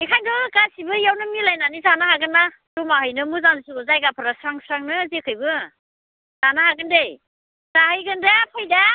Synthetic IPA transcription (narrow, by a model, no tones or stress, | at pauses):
ikʰajndɯkasibɯjawnɯmilajnanizanahaɡɯnːa | tumaɦɯjnɯmuzansuɡɔzajɡapʰɯɾasɾaŋsɾaŋnɯzekʰɯjbɯ | z̥anahaɡɯndej | z̥ahɯjɡɯndapʰajda